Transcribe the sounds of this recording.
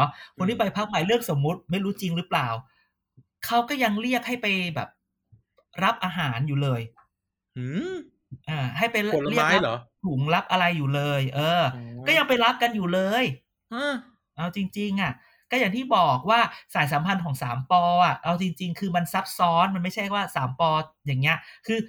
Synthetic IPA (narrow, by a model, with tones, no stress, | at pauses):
ɔ˦˥kʰu˧nt̪ʰiː˥˩pa˧jpʰa˦˥k̚ma˩˦jlɯ˥˩ək̚so˩˦mːu˦˥t̪̚ma˥˩jɾuː˦˥t͡ɕi˧ŋɾɯː˦˥plaː˨˩w | kʰa˦˥wkɔː˥˩ja˧ŋli˥˩ək̚ha˥˩jpa˧jbɛ̰ː˨˩p̚ | ɾa˦˥p̚ʔaː˧ɦaː˩˦njuː˨˩lɤː˧j | ʔɤː˧˩ɦa˥˩jpa˧jli˥˩ə˦a˦lːt̪ʰu˩˦ŋɾa˦˥p̚ʔa˧ɾa˧jːuː˨˩lɤː˧jʔɤː˧kɔː˥˩ja˧ŋpa˧jɾa˦˥p̚ka˧njuː˨˩lɤː˧j | ʔɤː˧˩ | ʔaː˧wt͡ɕi˧ŋt͡ɕi˧ŋʔa˨˩ | kɔː˥˩jaː˨˩ŋt̪ʰiː˥˩bɔː˨˩k̚waː˥˩saː˨˩˦js̬a˩˦mpʰa˧nkʰɔː˩˦ŋsaː˩˦mpɔː˧ʔa˨˩ʔa˧wt͡ɕi˧ŋt͡ɕi˧ŋkʰɯː˧ma˧nsa˦˥p̚sɔː˦˥nma˧nma˥˩jt͡ɕʰa˥˩jwaː˥˩saː˩˦mpɔː˧jaː˨˩ŋːi˦˥ɐʔkʰɯː˧